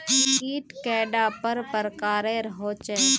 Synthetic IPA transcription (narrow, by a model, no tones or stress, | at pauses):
kiːʈkɛːɖaːpəɾpəɾkaːɾẽɾɐɦoːt͡ʃə